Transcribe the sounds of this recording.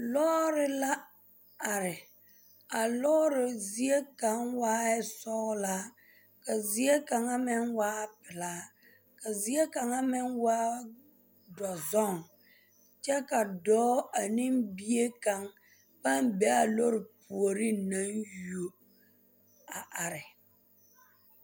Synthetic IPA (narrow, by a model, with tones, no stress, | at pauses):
lɔː˦ɾɪ˦la˦ | a˨ɾɪ˨ | a˨lɔ˦ɾɪ˨zi˦e˦ka˨ŋwaː˦ɛ˦sɔ˦ɣla˦ | ka˨zi˨˦e˦ka˨ŋa˦mɪ˦nwaː˦pɪ˨laː˨˦ | ka˨zi˨˦e˦ka˨ŋa˦mɪ˦ŋwaː˦ | dɔ˨zɔ˦˨ŋ | t͡ʃɛ˦ka˨dɔː˨˦a˨nɪ˦mbi˦e˦ka˨ŋ | pa˦mbɛ˨˦a˨lo˦ɾɪ˨pu˨o˨ɾi˦na˦njo˦ | a˨ʔa˨ɾɪ˨